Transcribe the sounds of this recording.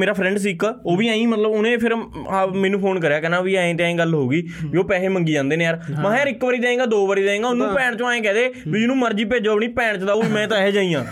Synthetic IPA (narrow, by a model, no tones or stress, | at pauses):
meːɾaːpʰɾɛ̃ːɳɖs̬iːkoːʋiːãːĩːmət̪ləbʊnẽːpʰɪɾ | mɛ̃ːnũːpʰoːnkəɾjaːkɛːnãːʋiːaːẽːt̪eãːẽːɡəlɦoːɡiː | iːoːpɛːeːməŋɡiːd͡ʒãːnd̪eːneːaːɾmãːjaːɾɪkʋəɾiːd̪ẽːẽːɡaːd̪oːʋəːɾiːd̪eːeːɡaːʊnũːpɛːɳt͡ʃõaːẽːkɛːd̪eːʋid͡ʒɪnũːməɾd͡ʒiːpeːd͡ʒoːəpɳ̃iːpɛːɳt͡ʃd̪aːoimɛ̃ːt̪ãːɛːd͡ʒãːĩːãː